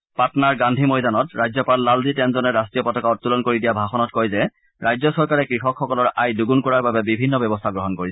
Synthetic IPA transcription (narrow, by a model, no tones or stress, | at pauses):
patɔnaɹɡandʱimɔjdanɔtɹajzɔpalːalzitɛnzɔnɛɹastɹijɔpɔtɔkaɔt̚ːulɔnkoɹidijabʱaxɔnɔt̚kɔjzɛ | ɹajzɔsɔɹkaɹɛkɹixɔkʰxɔkɔlɔɹajduɡunkɔɹaɹbabɛbibʱinːɔbɛbɔstʰaɡɹɔɦɔnkoɹisɛ̥